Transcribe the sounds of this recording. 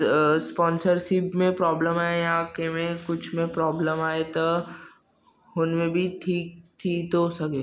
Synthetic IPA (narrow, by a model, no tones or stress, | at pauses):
spɔːnsəɾʃɪpmẽpɾɔːbləmaːejãkemẽkʊt͡ʃʰmẽpɾɔːbləmaːet̪o | ɦʊnmẽbʱiʈʰiːk̚t̪ʰit̪osɐɡeː